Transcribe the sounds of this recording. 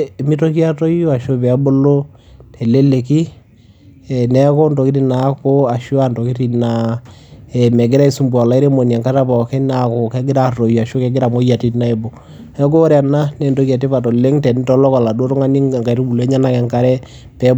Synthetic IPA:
mi˦to˦ki˦a˦to˦jo˦a˨ʃo˦pɛ˨a˦bo˦lo˦ | tʰɛ˨le˦le˨ki˦ | ɛ˨nɛ˦ko˦ndo˨ki˦ti˦na˨˦ko˦a˨ʃo˦a˨ndo˨ki˦ti˨na˨ | ɛ˨mɛ˨ɡɪ˦ɾa˦i˦su˨mbu˨a˨la˨˦i˦ɾe˦mo˨nja˨ŋka˦ta˦pa˨kɛ˦na˨ko˨kɛ˦ɡɪ˦ɾa˨to˨ja˨ʃo˦kɛ˦ɡɪ˦ɾa˨mo˦ja˨ti˦na˦e˨bo˨ | ɛ˦k̬o˦ɾa˨na˦nɛ˨ndo˦ki˦a˨t̬i˦pa˨tɔ˨le˦ŋtɛ˨ni˦tɔ˨˦lɔ˦ka˨la˨do˦ɾɔ˦ŋa˦ni˦˨ŋɡa˨i˨ɾu˦bu˨lɛ˦ɲa˦na˦˨kɛ˨ŋka˨ɾɛ˦ | pɛ˨˦b

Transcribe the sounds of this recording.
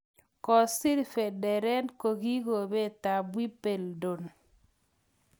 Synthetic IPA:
kɔ˨si˦ɾfe˨dɛ˨ɾɛ˦nko˨ɡi˦ɡo˨be˦ta˨bwi˦pe˨ldo˨n

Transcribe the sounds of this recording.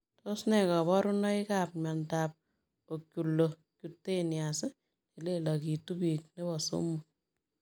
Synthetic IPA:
tʰo˦snɛ˨kɔ˨βɔ˦ɾu˦nɔ˦i˦ka˨p̚ɲa˨ntap̚ | o˨kju˨lːo | kjutːe˦njasɪ˦ | ne˨le˦la˨ki˨tu˦bi˨k̚ne˦bɔ˨sṵ˦mu˨

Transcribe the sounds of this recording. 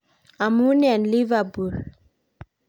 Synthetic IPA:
a˨mu˦nɛ˨nli˦va˨bu˨l

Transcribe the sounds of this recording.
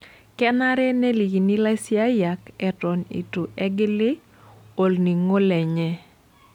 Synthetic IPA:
kɛ˦na˦ɾɛ˦nɛ˦li˨ɡi˨ni˦la˦sɪ˦a˦ja˨kɛ˨tɔ˨nḭ˨tu˨ʔɛ˦ɡɪ˦lɪ˦ | o˨lni˨ŋo˦lɛ˨ɲɛ˦

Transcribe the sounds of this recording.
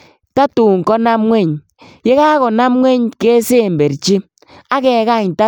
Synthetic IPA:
ta˦tu˨ŋ˨kɔ˦na˦mŋwɛ˦˨ɲ | je˦ka˦kɔ˨na˦mŋʷwɛ˦ɲke˦se˦˨mbe˨ɾt͡ʃi˦ | a˦kɛ˨ka˦˨ɲta˦

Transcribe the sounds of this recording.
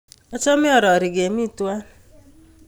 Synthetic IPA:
ɔ˦t͡ʃɔ˦mɪ˦ɔ˨ɾɔ˨ɾɪ˨ɡe˨mi˦˨twa˦

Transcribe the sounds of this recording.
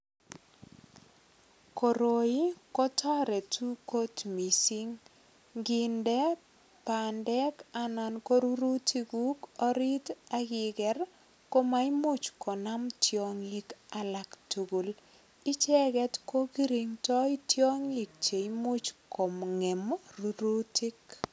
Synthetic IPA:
ko˨ɾo˨i˦kɔ˦tʰɔ˦ɾɛ˨tʰu˦ko˦tmi˨si˦ŋ | ɡɪ˨ndɛ˦ | pa˨ndɛ˦ka˨na˨nko˦ɾu˦ɾu˦ti˦ɡu˦kɔ˦ɾi˦ta˦ɡɪ˨ɡɛ˨r | ko˦ma˦i˦mʊ˦t͡ʃkɔ˨na˦mtjo˦ŋi˦ka˦la˨ktu˨ɡu˨l | ɪ˦t͡ʃɛ˦ɡɛ˦tko˦ki˦ɾi˨ŋtɔ˦itjo˦ŋɪ˨k̚t͡ʃe˨i˦mʊ˦t͡ʃkɔ˨mŋe˨mru˦ɾu˦ti˦k

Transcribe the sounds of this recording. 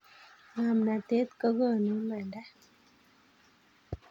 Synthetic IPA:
ŋa˨mna˨te˦t̪kə˦ɣə˦˨nu˨˦ma˨nda˦

